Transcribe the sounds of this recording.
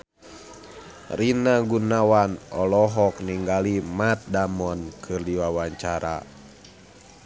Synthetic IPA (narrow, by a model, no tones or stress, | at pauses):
rinaɡunawanɔlɔɦɔk̚niŋɡalimat̪̚damɔnkʰɨrdiwawaɲt͡ʃaɾa̰